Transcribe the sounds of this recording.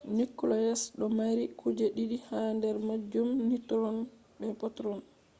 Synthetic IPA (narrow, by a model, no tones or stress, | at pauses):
nikːɔlɔjɛsɗɔmaɾikʰud͡ʒɛɗiɗihandɛɾmad͡ʒumnitɾɔn | ɓɛpɔtɾɔn